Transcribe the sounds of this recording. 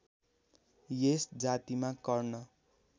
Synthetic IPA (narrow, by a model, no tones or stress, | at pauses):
jesd͡zat̪imakʌrnʌ